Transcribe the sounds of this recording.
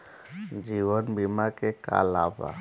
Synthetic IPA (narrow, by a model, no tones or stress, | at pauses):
d͡ʒiʋənbimakeka̰la̰ba̰